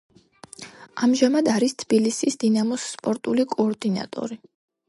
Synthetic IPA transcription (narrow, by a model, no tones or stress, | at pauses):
amʒamad̪aɾist̪ʰb̥ilisisd̪̥inamɔsːpʼɔɾt̪ʼulikʼɔːɾd̪ina̰t̪ʼɔ̰ɾi